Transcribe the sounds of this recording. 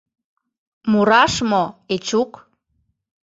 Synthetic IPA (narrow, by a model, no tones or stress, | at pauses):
muɾɑʃmoet͡ɕuk